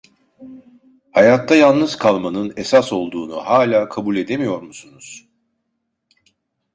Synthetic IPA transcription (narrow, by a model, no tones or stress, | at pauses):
hajat̪ʰːajalˠnɯzkʰalˠmanɯnesaso̞lˠd̪uːnuhaːlʲaːkʰabulʲe̞d̪e̞mijo̞ɾmusunuz̥